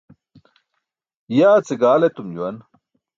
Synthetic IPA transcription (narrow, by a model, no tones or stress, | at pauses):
jaːt͡seɡaːlet̪umd͡ʑuwɐn